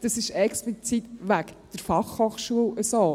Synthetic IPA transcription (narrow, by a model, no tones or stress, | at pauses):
d̥əsɪʃɛksplit͡sit̪ʋækd̥əɾfɑχhoːχʃuələsoː